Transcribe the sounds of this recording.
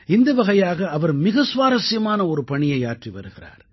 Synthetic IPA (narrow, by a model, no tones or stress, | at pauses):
ɪnd̪ɐʋɐɣɐjaːɣɐːʋɐɾmɪɣɐsʊʋaːɾɐsɪjɐmaːnɐɔɾɯpɐɳɪjɐɪaːʈriʋɐ̰ɾɯɣɪra̰ːɾ